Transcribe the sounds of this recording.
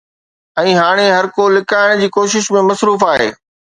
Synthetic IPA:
ɛ̃ːɦaːɽ̃eɦɐɾkolɪkaːɪɽ̃d͡ʑiːkoːʃɪʃmẽmɐsɾuːfaːɦḛː

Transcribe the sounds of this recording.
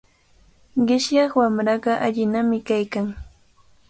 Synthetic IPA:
ɢɪʃjɑχwamɾɑɢɑʔaʎɪnamɪkajkaŋ

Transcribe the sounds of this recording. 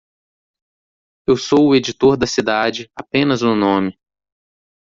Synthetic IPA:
ewsowʊed͡ʒit̪oɾd̪ɐsid̪ad͡ʒɪapẽnɐznʊnõmɪ

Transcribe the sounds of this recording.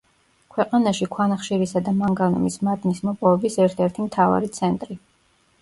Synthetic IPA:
kʰwɛqʼanaʃikʰwanaχʃiɾisad̪amaŋɡanɔmismad̪nismɔpʼɔvɛbisɛɾt̪ʰɛɾt̪ʰimt̪ʰava̰ɾit̪sʰɛnt̪ʼɾi

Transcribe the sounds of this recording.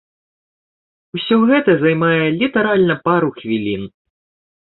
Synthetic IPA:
usʲɔɣɛt̪ɐzajmajɛlʲit̪ɛɾalʲnɐpaɾuxvʲilʲin

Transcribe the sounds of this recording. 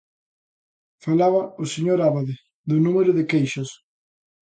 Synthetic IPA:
falaβaʊseɲoɾaβaðɪ | ðʊnũmeɾʊðɪkejʃʊs

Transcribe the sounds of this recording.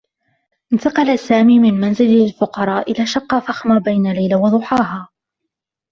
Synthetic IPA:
ʔɪnt̪ɑqɑlasaːmiːmɪnmanzɪllfʊqɑɾˤɑːʔɪlaːʃɑqːɑfaxmabajnalajlawɑd̪ˤʊħɑːɦaː

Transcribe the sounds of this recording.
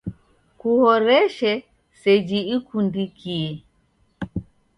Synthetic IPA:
kuhɔɾɛʃɛ | sɛd͡ʒiikundikiɛ

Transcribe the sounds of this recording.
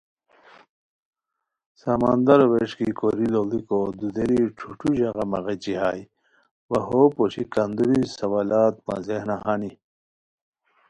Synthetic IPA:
sɐmɐ̰nd̪ɐɾoweʂkikoɾilolikod̪ud̪eɾiʈ͡ʂʰuʈuʑɐɣɐmɐɣet͡ɕiɦaːj | wɐɦopoɕikɐnd̪uɾisɐwalaːt̪̚mɐ̰zehnahani

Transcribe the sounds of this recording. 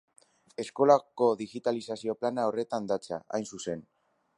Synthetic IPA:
e̞sko̞lako̞ðiɣit̪alisasio̞planaore̞t̪and̪at͡sa̰ʔa̰jnsuse̞n

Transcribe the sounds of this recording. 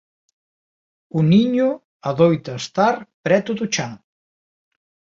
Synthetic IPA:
uniɲʊ | aðojt̪ast̪aɾpɾɛt̪uðut͡ʃaŋ

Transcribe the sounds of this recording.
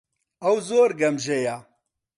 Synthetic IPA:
ɐwzoːɾɡɐmʒeja

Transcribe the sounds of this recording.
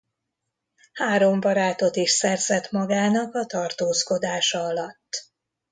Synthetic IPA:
haːɾo̞mbɒɾaːt̪o̞t̪iʃsɛrzɛt̪mɒɡaːnɒkɒt̪ɒrt̪oːsko̞d̪aːʃɒɒlɒt̪ː

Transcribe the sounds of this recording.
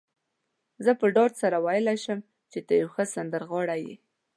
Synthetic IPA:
zəpəɖɑd̪saɾawɑjɪlaʃəm | t͡ʃet̪əjawxəsand̪əɾɣɑɽajḭ

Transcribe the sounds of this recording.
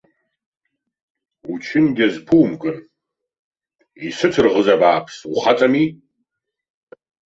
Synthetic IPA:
ut͡ʃʰɪnɡʲɐzpʰuwmkʼɨn | isɨtʰrʁəzɐbaːpʰsuχat͡sʼɐmi

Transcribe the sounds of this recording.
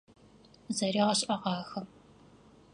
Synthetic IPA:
zɐɾiːʁɐɕʼʔɐʁɑːxɐm

